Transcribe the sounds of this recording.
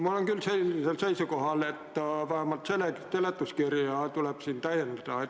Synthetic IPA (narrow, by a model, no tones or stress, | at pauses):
mulːoŋkylselːiselseisokohɑlet̪ːɑʋæhæmːɑt̪selekt̪elet̪ːuskirjɑːt̪ulepsint̪æienːet̪ɑːet̪